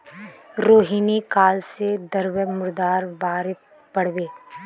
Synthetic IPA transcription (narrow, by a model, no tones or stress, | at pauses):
ɾoːɦiːnikaːlsed̪əɾwəmʊɾd̪aːɾbaːɾɪt̪ | pɐɽ̤beː